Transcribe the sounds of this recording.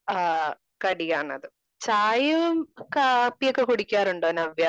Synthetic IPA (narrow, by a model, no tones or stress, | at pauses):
a | kɐɽijaːɳɐ̰ðɨ | t͡ɕaːjɐumkaːpːijokːe̞kuɽikʲːaːɾuɳɖoːnɐʋjaː